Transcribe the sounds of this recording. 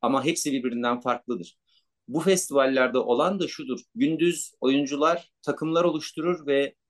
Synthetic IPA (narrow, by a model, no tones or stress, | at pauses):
amaɦɛpsibiɾbiɾind̪ænfaɾklˠɯd̪ɯɾ̥ | bufɛst̪ʰivalʲːæɾd̪aʔo̞lˠand̪aʃud̪uɾɟynd̪yzo̞jund͡ʒulˠaɾ̥t̪ʰakʰɯmlˠaɾo̞lˠuʃt̪ʰuɾuɾvɛ